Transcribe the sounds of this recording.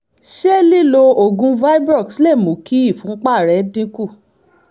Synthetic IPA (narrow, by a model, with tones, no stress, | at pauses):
ʃe˦li˦˨lo˧o˨ɡũ˧va˦i˦bɾɔ˦˨ksle˦˨mũ˨˦ki˦i˦˨fũ˨˦k͡pa˦˨ɾɛ˨˦dĩ˦ku˦˨